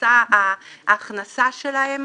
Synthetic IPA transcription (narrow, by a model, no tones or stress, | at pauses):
aaʔːχnasaʃe̞lahe̞m